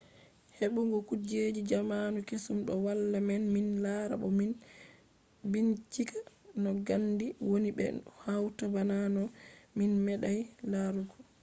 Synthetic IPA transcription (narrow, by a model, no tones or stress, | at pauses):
heɓuŋɡɔkud͡ʒed͡ʒid͡ʒamanukesumɗɔwalːamɛnminlaɾa̰ɓɔmin | bint͡ʃikʰḁnɔɡandiwonibɛ̰hawtabananɔminmɛɗajlaɾukɔ̥